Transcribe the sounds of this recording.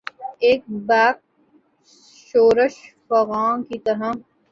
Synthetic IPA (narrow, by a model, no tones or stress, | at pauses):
eːk̚baːk̚ | ʃoːɾəʃfɐɣaːkit̪ɐɾa